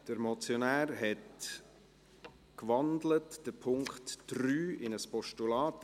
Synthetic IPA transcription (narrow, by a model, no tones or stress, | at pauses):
d̥əɾmɔt͡sjonæːɾɦɛt | kʋɑndlətd̥əpʰʊŋkχtːɾyːɪnəspɔʃtulɑːt